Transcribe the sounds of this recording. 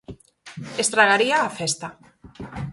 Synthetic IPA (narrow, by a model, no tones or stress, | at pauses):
est̪ɾaɣaɾiaːfɛst̪a